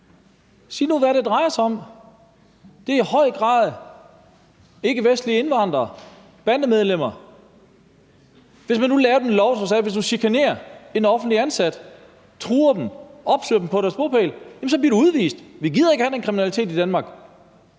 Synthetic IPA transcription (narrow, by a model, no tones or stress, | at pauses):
sḭːnoðˠʋæɾe̝d̥ʁɑ̈ɪɐsɑɒ̽m | d̥e̝ɐihɒ̽ɪ̰ɡ̥ʁɑ̰̈ːð̞ˠ | e̝ɡ̥əʋesd̥liəe̝nʋɑ̈n̰d̥ʁɐː | b̥ænd̥əmeð̞ˠlem̰ɐ | ʋe̝smænːulɛːɐd̥em̩lɒʊsɒsæʋe̝sd̥usikʰæne̝̰ːɐe̝nɒ̽fn̩d̥liænsæd̥ | t͡sʰʁuːɐd̥em̩ʔɒ̽b̥sø̰ɐd̥m̩pʰɒ̽ɾæɐsb̥opʰḛljæmsɒ̽bliɐɾuuð̞ˠʋḭːsd̥ʋiɡ̥iðˠɐe̝ɡ̥əhædenkʰʁiminælit͡sʰe̝̰ːd̥id̥ænmɑ̈ːɡ̥